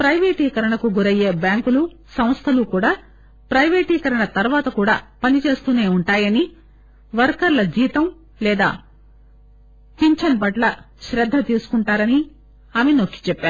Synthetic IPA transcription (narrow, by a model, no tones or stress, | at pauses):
pɾɐjʋeːʈiːkɐɾɐɳɐkuɡuɾɐjeːbjaːŋkulu | sɐmst̪ʰɐlukuːɽaː | pɾɐjʋeːʈiːkɐɾɐɳɐt̪ɐɾʋaːt̪ɐkuːɽaːpɐnit͡ʃe̞ːst̪uːneːuɳʈaːjɐni | ʋɐɾkɐɾlɐd͡ʒiːt̪ɐm | lɛːd̪a̰ː | t̪iɲt͡ʃɐnpɐʈlɐ | ʃɾɐd̪ʱːɐt̪iːsu̥kuɳʈaːɾɐni | aːmenokːi̥t͡ʃɛpːaːɾu